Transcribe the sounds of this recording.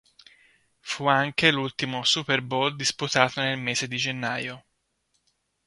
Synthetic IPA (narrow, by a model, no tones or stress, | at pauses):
fuaŋkelult̪imosuperbold̪isput̪aːt̪onelmeːzed̪id͡ʒenːaːjo